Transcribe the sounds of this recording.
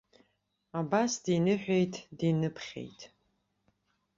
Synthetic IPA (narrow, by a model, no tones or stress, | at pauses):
abasdinɨħʷᶣejtʰdinɨpʰχʲḛjtʰʼ